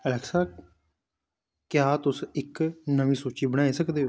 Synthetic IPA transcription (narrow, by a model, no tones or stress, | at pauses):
əlɛːksaː | kjaːt̪ʊsɪknəʋĩːsoːt͡ʃiːbəɽ̃aːiːsəkd̪eːoː